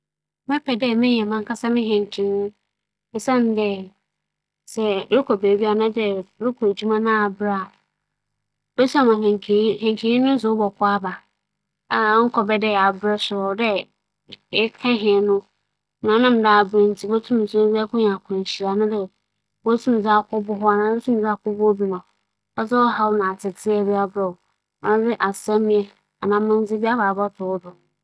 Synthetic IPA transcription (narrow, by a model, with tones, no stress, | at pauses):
mɛ̃˦pʰɛ˨dɛ˦mɪ̃˦˨ɛ̃˨mã˦ŋ˦kʰa˦sa˦mɪ̃˦ɦɛ̃˨ŋ˨kʰĩ˨nʊ̃˦ | ɪ˨sã˦n˨˦dɛ˦ | sɛ˨˦ɾʊ˦kʰɔ˨beː˨bi˦a˨nã˦dɛ˦˨ɾʊ˦kʰɔ˨d͡ʑu˦mã˦nã˦a˨bɾa˦˨ | bɛ˦su˦a˦˨mã˨hɛ̃˨ŋkʰhɛ̃˨ŋkʰi˨˦i˦nʊ̃˦n˦s̬ʊ˨˦bɔ˨kʰɔ˦a˦ba˨ | a˨˦ŋ̩˦kʰɔ˨bɛ˦dɛ˦˨a˨bɾɛ˦sʊ˨ɾɔ˨˦dɛ˦ | ɪ˦kʰã˦ɦɪ̃˨nʊ̃˦ | nã˨˦nã˦˨m˨˦daː˨bɾe˦n̩˦tʰi˦bo˦tʰũ˦m˨sʊ˦d͡zɛ˦kʊ̃˦ɲ˨a˨kʰʊ̃˨n˨ɕi˨a˨nʊ̃˦dɛ˦ | wo˦tʰũ˦m̃˨d͡zɪ˦a˨kʰʊ˦bʊ˦ɦʊ˦a˨nãː˨˦o˦tʰũ˦m̃˨d͡zɪ˦a˦kʊ˦bʊ˦bi˨nʊ̃˨ | ɔ˦zɛ˦ɔ˦ha˦wʊ˦nã˨a˨tʰɪ˨tʰɪ˦ɛ˨bi˦a˦bɾɛ˨wʊ˨ | nã˨˦d͡zɪ˦ʔa˨sa˦mĩ˦ɛ˦ | a˨nã˨mʊ̃˦n˦d͡zɪ˦bi˦a˦ba˨bɔ˦tʰʊ˨wʊ˦dʊ˨ñ˨